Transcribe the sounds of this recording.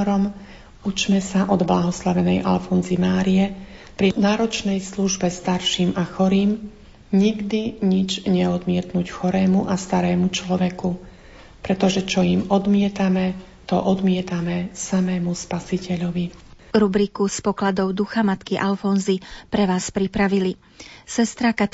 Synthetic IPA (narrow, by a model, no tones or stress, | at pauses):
ɾɔm | ut͡ʃmɛsaʔɔd̪blaɦɔslaʋɛnɛjʔalfɔnzimaːɾijɛpɾinaːɾɔt͡ʃnɛjsluʒbɛst̪aɾʃiːmaxɔɾiːm | ɲiɡd̪iɲid͡ʒɲɛɔd̪mɪɛt̪nuːcxɔɾɛːmuʔast̪aɾɛːmut͡ʃlɔʋɛku | pɾɛt̪ɔʒɛt͡ʃɔimɔd̪mɪɛt̪amɛ | t̪ɔʔɔd̪mɪɛt̪amɛsamɛːmuspasicɛʎɔʋi | ɾubɾikuspɔklad̪ɔʊd̪uxamat̪kiʔalfɔnzipɾɛʋaːspɾipɾaʋili | sɛst̪ɾaka